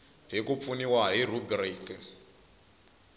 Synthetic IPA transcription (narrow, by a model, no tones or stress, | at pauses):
ɦikup̪funiwaɦir̤ubriːkɛ